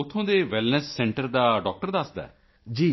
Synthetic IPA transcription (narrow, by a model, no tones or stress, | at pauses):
ʊt̪ʰːõːd̪eːʋɛlnəsːɛ̃ːɳʈəɾd̪aːɖɔːk̚ʈəɾd̪asd̪a̰ː | d͡ʒiː